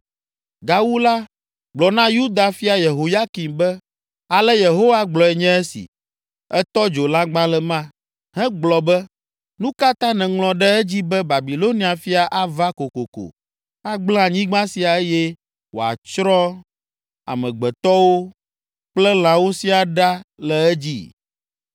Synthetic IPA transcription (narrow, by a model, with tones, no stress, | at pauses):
ɡa˨wu˦la˦ | ɡ͡blɔ˨nã˦ju˦d̪a˨fi˦a˨je˨ɦo˨ja˦ki˨mbɛ˦ | a˨lɛ˦je˨ɦo˦wa˦ɡ͡blɔ˨ɛ˨ɲɛ̃˦ɛ˦sḭ˨ | ɛ˦t̪ɔ˦d͡ʒo˨la˦ɡ͡bã˦lɛ˨mã˦ | hɛ̃˦ɡ͡blɔ˨bɛ˦ | nũ˦ka˦t̪ã˦nɛ̃˨ŋlɔ̃˨ɖɛ˦ɛ˦d͡ʑi˦bɛ˦ba˨bi˨lo˦nĩ˨˦a˨fi˦a˨ʔa˦va˦ko˨ko˨ko̰˨ | a˦ɡ͡blã˦a˨ɲĩ˦ɡ͡bã˦si˨a˨ɛ˦jɛ˦ | wo̰˨a̰˨t͡ʃɾɔ˦ | a̰˨mɛ̃˨ɡ͡bɛ˨t̪ɔ˦wo˦ | k͡plɛ˦l̃ã˨wo˦si˦a˨ɖa˦lɛ˨ɛ˦d͡ʑḭ˦